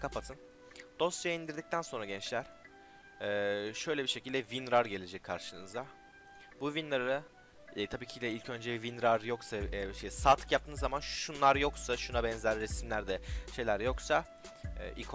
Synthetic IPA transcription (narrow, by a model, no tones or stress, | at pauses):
kʰapʰat̪ʰɯn | d̪̥o̞st̪t͡ʃajaind̪iɾd̪ic̚t̪ʰænso̞nɾaɟɛnt͡ʃlʲæɾ̥ | ɛːʃø̞jlʲɛbiɾʃe̞cʰild̪ɛvinɾaɾɟe̞lʲe̞d͡ʒɛcʰːaɾʃɯnɯzd̪a | buvinaɾɾɯ | t̪ʰabiːcʰilʲɛilʲcʰø̞nd͡ʒɛbivinɾaɾjo̞ksaɛʃejsat̪ʰkjap̚t̪ʰɯːnzamanʃunlˠaɾjo̞ksaʃunabɛnzæɾːesimlʲæɾd̪ɛʃe̞jlʲæɾjo̞ksa | ɛ̰ʔikʰo